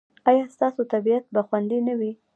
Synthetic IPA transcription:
ɑjɑst̪ɑsot̪abijat̪̚baxwand̪inawi

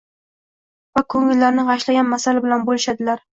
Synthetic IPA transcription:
vakʰɵŋɪlːaɾnɪʁɑʃlaɡʲanmasalɪbɪlanbolɪʃad̪ɪlaɾ

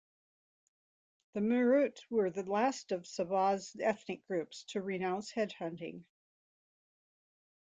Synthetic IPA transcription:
ðɨmə˞ʉtwə˞ðɨlæstʌv̥səbɑzɛθnɨk̚ɡ̥ɹʉpstʰɨɹɨnãʊ̃nshɛd̚hʌ̃ntɪ̰̃ŋ

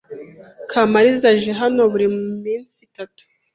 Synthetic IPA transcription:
kʰamaɾizaʒeɦano̞βuɾimumiːnsitatu̥

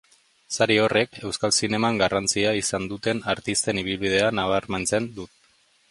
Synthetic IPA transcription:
saɾio̞re̞ke̞wskalsine̞maŋɡarant͡siaisand̪ut̪e̞naɾt̪ist̪e̞niβ̞ilβið̞e̞anaβaɾmant͡se̞nd̪ut̪

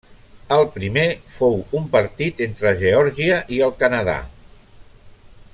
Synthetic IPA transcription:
əlˠpɾimefowumpəɾt̪it̪ent̪ɾəʒeɔɾʒiəʔiəlˠkənəða̰

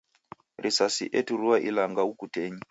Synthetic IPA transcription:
rʔisasḭʔetuɾuwaʔilaŋɡaukuteːɲi

